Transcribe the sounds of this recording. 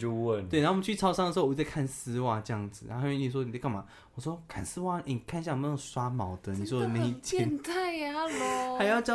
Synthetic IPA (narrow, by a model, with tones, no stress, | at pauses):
t͡ɕjo˥˧wə˥˨nwe˥˨na˧˦˥t͡ɕʰy˥˩t͡sʰɑ˥ʊsɑ˥˧ŋdə˩˧˥a˥˧kʰa˥˩nsɹ̩˥wa˥˩ʈ͡ʂɤ˥˧jɑ˥˩ŋd͡zɹ̩˨˩a̰˧˥˩i˨˩swɔ˥ni˨˩˥kʰɑ˥˩ma˨˦ | wɔ˨˩swɔ˥kʰa˥˩nsɹ̩˥wa˥˧˩ni˨˩kʰa˥˧n˧ɕja˥˩ŋ˨m˥˧˥swa˥mɑ˨˩˦ʊd̪ə˨ni˨˩swɔ˥˨na˥˧˩i˥˧t͡ɕʰjɛ˧˦t̪a˥˩ɪ˦lo˨˩xa˨˧ɪjɑ˥ʊt͡ɕjɑ˥˦